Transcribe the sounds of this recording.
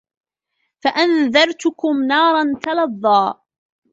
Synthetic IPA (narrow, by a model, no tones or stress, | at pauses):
faʔanðɑɾˤt̪ʊkʊmnɑːɾˤɑnt̪ɑlɑðˤːɑː